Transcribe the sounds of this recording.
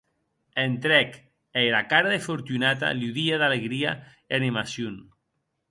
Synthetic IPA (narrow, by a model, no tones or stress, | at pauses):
ent̪ɾɛk | eɾakaɾaðefoɾt̪unat̪a̰luðiaðaleɣɾia | enimasjun